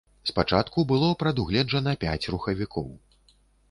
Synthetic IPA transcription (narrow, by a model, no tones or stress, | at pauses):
spat͡ʂat̪kubɨlˠɔpɾɐd̪uɣlʲɛd͡ʐɐnɐpʲat͡sʲruxɐvʲikʰɔw